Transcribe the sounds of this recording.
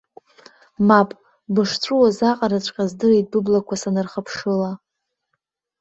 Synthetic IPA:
mapʼ | bɨʂt͡ɕʷʰʼuwazaqʼaɾat͡ʃʷʼqʲʼazdɨritʼbɨblakʷʰasanɨrχəpʰʂɨla

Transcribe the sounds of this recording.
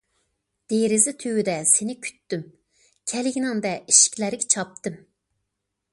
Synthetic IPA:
d̪̥eɾɪzɪt̪ʰywyd̪ɛsenɪkʲʰy̥t̪ːym | kʲʰɛlɪɡʲinɪŋd̪ɛiʃi̥kʲlæɾɪɡʲɛt͡ʃʰɑp̚t̪ɨm

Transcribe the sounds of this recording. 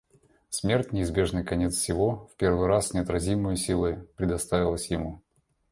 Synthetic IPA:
smʲe̞rtʲnʲɪɪzbʲe̞ʐnɨjkɐnʲe̞t̪ssʲɪvo̞fpʲe̞rvɨjɾasnʲɪɐt̪ɾɐzʲimɨjəsʲilˠɨpɾʲɪd̪ɐst̪avʲɪlˠəsʲjɪmu

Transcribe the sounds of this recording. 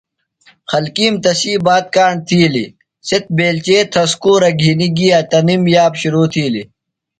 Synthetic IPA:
xɐlkiːmt̪ɐsiːbaːt̪̚kaːɳt̪ʰiːlḭ | set̪̚beːlt͡ɕeːt̪ʰɐskuːɾɐɡʱiːniɡijat̪ɐnimjaːbɕuɾuːt̪ʰiːli

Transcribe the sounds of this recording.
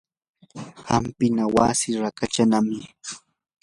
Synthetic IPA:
ɢampɪnawasɪɾakat͡ʃanamɪ

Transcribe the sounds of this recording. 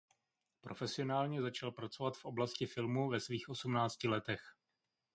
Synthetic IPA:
pɾʔo̞fɛsɪo̞naːlɲɛzat͡ʃalpɾat͡so̞vat̪fʔo̞blascɪfɪlmuvɛsviːxʔo̞sumnaːt͡scɪlɛt̪ɛx

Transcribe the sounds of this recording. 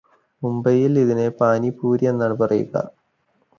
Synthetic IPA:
mumbɐjiliðinepaːnipuːɾjenːaɽpɐrijṵɣɐ̰

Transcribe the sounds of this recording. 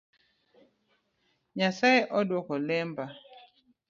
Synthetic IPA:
ɲasaeʔɔdwɔkɔlɛmba

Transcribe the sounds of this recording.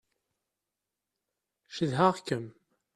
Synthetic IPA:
ʃəðɦaʁkːəm

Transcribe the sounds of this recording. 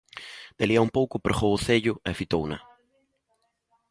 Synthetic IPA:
d̪̥eliaumpowkʊpɾeχowʊθeʎʊɛfit̪ownɐ̰

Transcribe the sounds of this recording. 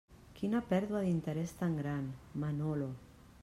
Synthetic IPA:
kʰinapeɾðwaðint̪eɾest̪aŋɡɾanmanolo

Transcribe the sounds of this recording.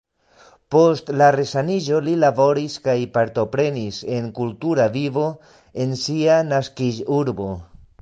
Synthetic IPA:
po̞stlaɾe̞sanid͡ʒo̞lilabo̞ɾiskajpaɾto̞pɾe̞nise̞ŋkultuɾavivo̞ | e̞nsianaskid͡ʒuɾbo̞

